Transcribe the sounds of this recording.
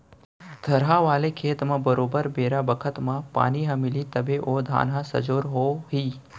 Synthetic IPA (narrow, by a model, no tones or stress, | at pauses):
d̪ʱɐɾɦaʋaːlekʰeːt̪mãbɐɾoːbəɾbeːɾabəkʰət̪mãpa̰ːniɦɐ̃mɪlit̪ɐbʱeʔoːd̪ʱa̰ːnɦãsɐ̰d͡ʒoːɾɦoːɦiː